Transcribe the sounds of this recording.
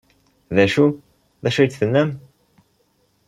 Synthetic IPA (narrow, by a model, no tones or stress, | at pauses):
ðæʃu | ðæʃæjt͡s̪θənːæm